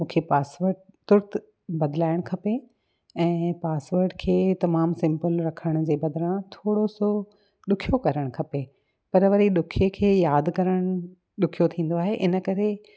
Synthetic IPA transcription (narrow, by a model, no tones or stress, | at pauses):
mũːkʰepaːsʋəɾʈ̚t̪ʊɾt̪ | bɐd̪laːɪɽ̃kʰɐpe | ɛ̃ːpaːsʋəɾʈkʰeːt̪ɐmaːmsɪ̃mpəlɾɐkʰəɽ̃d͡ʑeːbɐd̪ɪɾãt̪ʰoːɽoso | ɗʊkʰijokɐɾəɽ̃kʰɐpe | pɐɾʋɐɾiɗʊkʰekʰeːjaːd̪kɐɾəɽ̃ | ɗʊkʰijot̪ʰĩːn̆d̪oaːɦeʔɪnə̆kɐɾe